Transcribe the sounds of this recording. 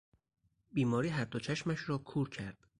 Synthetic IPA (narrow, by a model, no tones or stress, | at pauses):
biːmɒːɾiːɦæɾd̪ot͡ʃʰæʃmæʃɾɒːkʰuːɾcʰæɾd̪̥